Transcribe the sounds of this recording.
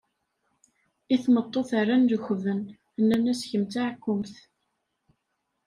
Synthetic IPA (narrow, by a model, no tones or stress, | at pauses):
iθmət̪ˤːoθarˤːanðəxvən | ənːænæsçəmt͡s̪aʕkːʊmθ